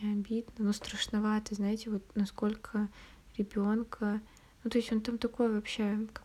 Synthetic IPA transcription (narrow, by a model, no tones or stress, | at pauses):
ɪɐbʲid̪nənost̪ɾəʂnɐvat̪əznaɪtʲɪvo̞t̪nɐsko̞lʲkʰə | ɾʲɪbʲo̞nkʰə | nut̪o̞ɪsʲo̞nt̪amt̪ɐko̞jvɐpɕe̞k